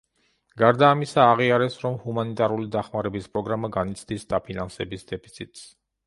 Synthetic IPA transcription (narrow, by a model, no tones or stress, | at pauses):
ɡ̥aɾd̪aːmisaːʁiaɾɛsɾɔmhumanit̪ʼaɾulid̪aχmaɾɛbispʼɾɔɡɾamaɡanit̪sʰd̪isd̪apʰinansɛbisd̪ɛpʰit̪sʰit̪ʼs